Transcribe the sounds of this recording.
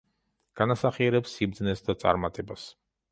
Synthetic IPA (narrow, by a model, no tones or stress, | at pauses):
ɡ̥anasaχiɛɾɛpsːibd̪znɛsd̪at̪sʼa̰ɾmat̪ʼɛbas